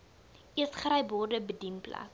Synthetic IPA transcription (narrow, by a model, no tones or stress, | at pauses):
ʔiəsχɾɛjbɔrdəbədinplɐ̰